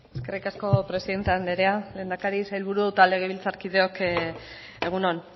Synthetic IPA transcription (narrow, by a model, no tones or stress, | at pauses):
e̞ske̞rikasko̞pɾe̞siðe̞nt̪eand̪eɾe̞ale̞ːnd̪akaɾisajlβuɾut̪ale̞ɣ̞eβilt͡saɾkið̞e̞o̞k | e̞ɣ̞unon